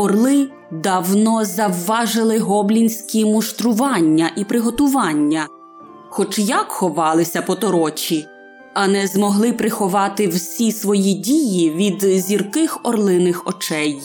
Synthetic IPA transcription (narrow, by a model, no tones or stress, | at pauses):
ɔrlˠɪ | d̪ɑwnɔzɐwːɑʒɪlˠɪɦɔblʲinʲsʲkʲimʊʃt̪ɾʊʋɑnʲːɐʔipɾɪɦɔt̪ʊʋɑnʲːɐ | xɔt͡ʃjɐkxɔʋɑlˠɪsʲɐpɔt̪ɔɾɔt͡ʃʲi | ɐnɛzmɔɦlˠɪpɾɪxɔʋɑt̪ɪwsʲisʋɔjidʲijiʋʲid̪zʲirkɪxɔrlˠɪnɪxɔ̰t͡ʃɛj